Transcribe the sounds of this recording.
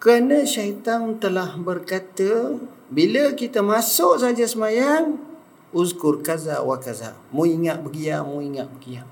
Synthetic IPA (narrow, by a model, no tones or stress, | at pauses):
kəɾnə̃ʃait̪aŋt̪əlahbərkat̪ə | biləkit̪əmasʊʔsad͡ʒasəmajaŋ | uzkʊrkaza̰wakaza̰muiŋaʔbəɡiamuiŋaʔbəɡia